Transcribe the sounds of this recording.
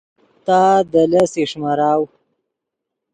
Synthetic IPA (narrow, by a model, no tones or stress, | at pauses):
t̪ɑd̪əlaseʂmaɾaw